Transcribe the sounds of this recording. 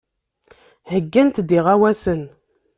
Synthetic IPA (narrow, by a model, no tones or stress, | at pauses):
həɡːænt̪d̪iʁawæsən